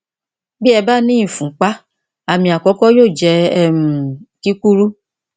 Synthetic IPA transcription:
bi˦ɛ˧ba˦nĩ˦ĩ˦˨fũ˨˦k͡pa˦ | a˨mĩ˧a˨kɔ˨˦kɔ˦joː˦˨d͡ʒɛ˨˧˦ɛ˦mũ˨ti˦ku˦ɾu˦

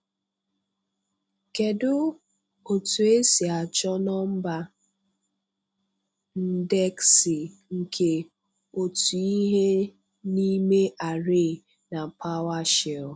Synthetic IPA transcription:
ke˨dʊ˦ | o˨tu˨e˦si˨a˨t͡ʃɔ˦nɔ˦m̩˦ba˦ | n̩˦de˦ksi˨ | ŋ̩˨kʰe˨ | o˨tu˨i˦ɦe˦ | ni˦me˦ʔa˨ɾe˦˨ | na˨pa˦wa˦ʃe˨

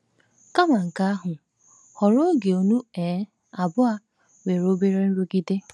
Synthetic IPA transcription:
ka˦ma˨ŋ̩˨ka˦a˦ɦʊ˨ | hɔ˨ɾo˦ɡe˨o˨nu˦e˨˦ | a˨bʊ˦a˦ | we˨ɾo˦be˦ɾe˦n̩˦ɾu˦ki˦de˦

